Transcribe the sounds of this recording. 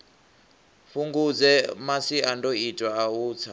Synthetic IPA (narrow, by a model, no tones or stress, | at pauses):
fuŋɡud͡zɛmasiandɔitʼwaːuːt͡sʰa